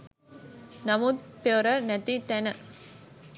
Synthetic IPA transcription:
nɐmud̪̚peɾɐɾnɛt̪ːit̪ɛnɐ

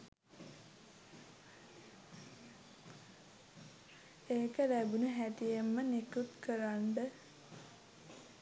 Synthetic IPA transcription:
eːkəlæbunəɦæt̪ijemːənekut̪kəɾaɳɖə

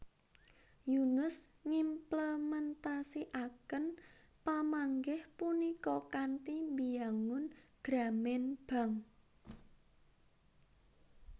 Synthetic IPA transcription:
junʊsŋimpləmɛnt̪asiʔakən | pamaŋɡɪhpunikɔkant̪imbijaŋʊnɡ̥ɾa̤mɛnb̥a̤ŋ

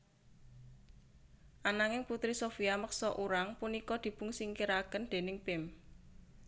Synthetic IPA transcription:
ʔanaŋɪŋput̪ɾisofiaməksɔʔuɾaŋpunikɔd̪̥i̤b̥ṳŋsiŋkiɾakənd̪̥e̤nɪŋpɪm

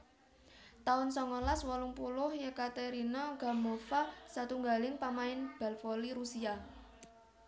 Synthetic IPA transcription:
t̪aʊnsɔŋɔlaswɔlʊŋpulʊhjəkat̪eɾinɔɡ̥a̤mofasat̪uŋɡa̤lɪŋpamaɪnb̥a̤lfɔliɾusia

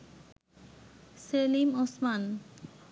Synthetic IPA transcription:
selimosman

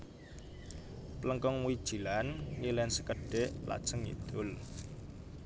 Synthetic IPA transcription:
pləŋkɔŋmuwid̥ʒ̥i̤lannilɛnsəkəɖ̥eʔpla̰d̥ʒ̥əŋḭd̪̥ʊl

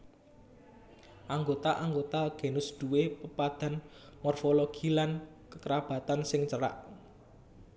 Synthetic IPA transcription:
ʔaŋɡot̪aʔaŋɡot̪aɡ̥e̤nʊsd̪̥uwepəpad̪̥a̤n | mɔrfoloɡ̥ilan | kəkəɾab̥a̤t̪ansɪŋt͡ʃəɾa̰ʔ

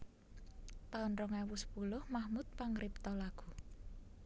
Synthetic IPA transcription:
t̪aʊnɾɔŋɛwʊsə̥pulʊhmahmut̪̚paŋɾɪp̚t̪ɔlaɡ̥ṳ

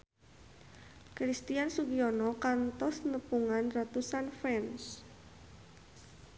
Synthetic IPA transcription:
kɾist̪iansuɡiɔnɔkant̪ɔsnəpuŋanrat̪usanfɛns

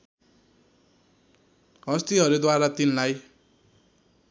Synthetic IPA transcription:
ʌst̪iʌɾud̪waɾat̪inlaj

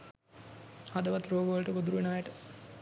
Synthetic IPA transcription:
ad̪əʋɐt̪ɾoːɡəʋələʈəɡod̪uɾuʋenəʋæʈə

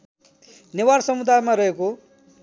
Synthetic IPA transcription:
newaɾsʌmud̪ʱajmaɾʌɦeko

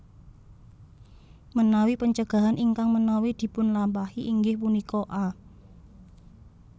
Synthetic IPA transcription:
mənawipəɲt͡ʃəɡ̥a̤ɦanʔiŋkaŋmənawid̪̥i̤pʊnlampahiʔiŋɡɪhpunikɔʔa

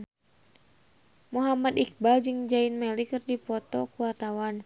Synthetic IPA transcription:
muɦamad̪ik̚bald͡ʒɨŋd͡ʒainmɛlikɨrdipɔt̪ɔkuwart̪awan

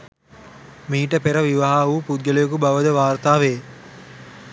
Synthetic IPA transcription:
miːʈəpeɾəʋiʋaɦaupud̪̚ɡəljok̬ubaʋəd̪əʋaːrt̪aːʋeː

